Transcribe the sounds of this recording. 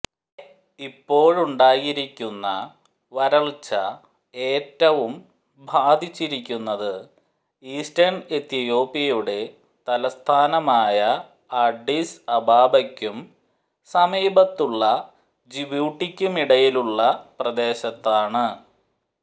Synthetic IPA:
ipːo̞ːɻuɳɖaːjiɾikʲːunːɐ̰ | ʋɐɾɐɭt͡ɕːɐ | e̞ːtːɐʋum | bʱaːd̪it͡ɕːiɾikʲːunːɐðɨ | iːsʈɐɳɖet̪ːjɐjo̞ːpːijuɽe̞ | t̪ɐlɐst̪ʰaːnɐmaːjɐ | ɐɖisɐbʱaːbɐkʲːum | sɐmiːbɐt̪ːuɭːɐ | d͡ʑibjuːʈːikʲːumiɽɐjiluɭːɐprɐd̪eːɕɐt̪ːaːɳɨ

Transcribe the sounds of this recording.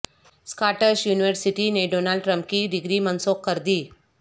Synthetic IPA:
skaʈəʃjuːniʋəɾsiʈineɖonalɖʈɾəmp̚kid̪iɡɾimənsokːəɾd̪iː

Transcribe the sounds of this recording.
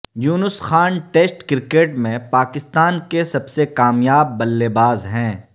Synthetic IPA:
juːnʊsxaːnʈeːsʈkɪɾkeːʈmẽpaːkɪst̪aːnkesɐbsekaːmjaːbːɐlːebaːzɦɛ̃ː

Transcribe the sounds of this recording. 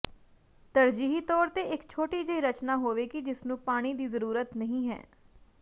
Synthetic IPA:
t̪əɾd͡ʒiːɦiːt̪ɔːɾt̪eːɪkt͡ʃʰoːʈiːd͡ʒəiːɾət͡ʃnaːɦoːʋeːkid͡ʒɪsnũːpaːɽ̃iːd̪iːzəɾuːɾət̪nəɦĩːɦɛ̰ː

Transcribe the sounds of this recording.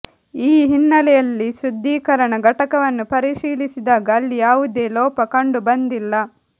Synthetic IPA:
iːɦinːɐlɛjɐlːiʃɾud̪ʱːiːkɐɾɐɳɐɡɐʈɐkɐʋɐnːupɐɾiʃiːlisid̪aːɡɐːlːijaːʋud̪e̞ːlɔːpɐkɐɳɖubɐnd̪ilːɐ

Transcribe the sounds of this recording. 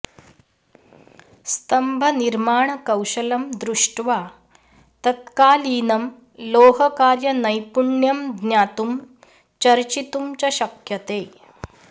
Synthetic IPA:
st̪ɐmbʱɐniɾmaːɳɐkɐwʃɐlɐmd̪ɾuʂʈʋaː | t̪ɐt̪kaːliːnɐm | loːɦɐkaːɾjɐnɐjpuɳjɐmd̪njaːt̪um | t͡ʃɐɾt͡ɕit̪umt͡ɕɐɕɐkjɐt̪eː

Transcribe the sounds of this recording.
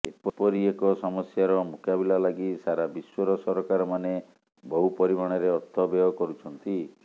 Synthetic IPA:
epɔpɔɾiekɔsɔmɔsjaɾɔmukabilalaɡisaɾabiswɔɾɔsɔɾɔkaɾɔmane | bɔɦupɔɾimaɽ̃ɔɾeɔt̪ʰːɔbeɔkɔɾut͡ʃʰɔnt̪i

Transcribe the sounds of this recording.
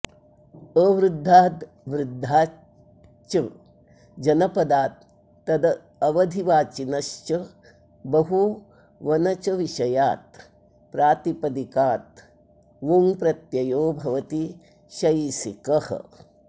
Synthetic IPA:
əːʋɾud̪ʱːaːt̪ | ʋɾud̪ʱːaː | t͡ʃɐ | d͡ʒɐnɐpɐd̪aːt̪̚ː | ɐd̪ɐ | ɐʋɐd̪ʱiʋaːt͡ʃinɐʃt͡ʃɐ | bɐɦu | ʋɐnɐt͡ʃɐʋiʃɐjaːt̪̚ | pɾaːt̪ipɐd̪ikaːt̪̚ | ʋuŋpɾɐt̪jɐjoːbʱɐʋɐt̪i | ʃɐjsikɐhɐ̰

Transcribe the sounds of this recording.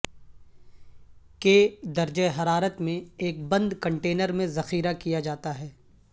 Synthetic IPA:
keːd̪ɐɾd͡ʒeɦɐɾaːɾət̪mẽeːk̚bɐ̃nd̪kɐ̃ɳʈeːnəɾmẽzɐxiːɾakijad͡ʒaːt̪aɦɛː

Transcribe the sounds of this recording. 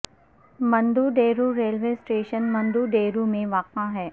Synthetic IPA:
mɐ̃nd̪uːɖeːɾuɾeːlʋeːsʈeːʃənmɐ̃nd̪uːɖeːɾumẽʋaːkãɦɛː

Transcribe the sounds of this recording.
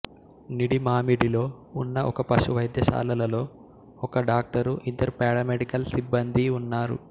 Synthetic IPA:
niɽimaːmiɽilo̞ː | unːɐʔɔkɐpɐʃuʋɐjd̪jɐʃa̰ːlɐlɐlo̞ː | ɔkɐɖaːk̚ʈɐɾuʔint̪ɐɾpɛːɽɐmeɖikɐlsibːɐnd̪ʱiunːaːɾṵ

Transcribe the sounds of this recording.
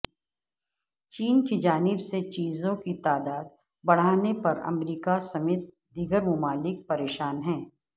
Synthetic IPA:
t͡ʃiːnkid͡ʒaːnɪbset͡ʃiːzõkit̪aːd̪aːd̪ | bɐɽ̤aːnepɐɾɐ̰mɾiːkasɐmeːt̪̚ | d̪iɡəɾmʊmaːlɪk̚pɐɾeːʃaːnɦɛ̃ː

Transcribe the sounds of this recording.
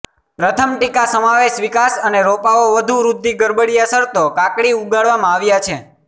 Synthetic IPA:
pɾət̪ʰəmʈikasəmaʋeʃʋikasəneɾopaoʋəd̪ʱuɾud̪ʱːiɡəɾbəɽiasəɾt̪okakɽiuɡaɭʋamãaʋjat͡ʃʰe

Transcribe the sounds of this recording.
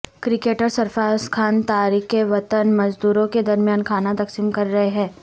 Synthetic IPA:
kɾɪkeːʈəɾsɐɾfaːskʰaːnt̪aːɾiːkkeʋɐt̪ənmɐd͡ʒd̪uːɾõked̪ɐɾmjaːnkʰaːnat̪ɐksiːmkɐɾːɐɦeɦɛ̃ː

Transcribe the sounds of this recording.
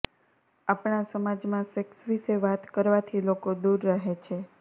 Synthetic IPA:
apɳasəmad͡ʒmãseksʋiseʋat̪kəɾʋat̪ʰilokod̪uɾːaɦet͡ʃʰe

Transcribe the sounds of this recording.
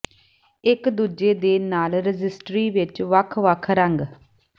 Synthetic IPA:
ɪkd̪uːd͡ʒeːd̪eːnaːlɾɪd͡ʒɪsʈɾiːʋɪt͡ʃʋəkʰʋəkʰɾəŋɡ

